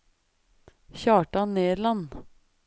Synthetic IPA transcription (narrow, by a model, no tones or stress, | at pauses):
çɑːʈɑneːlɑn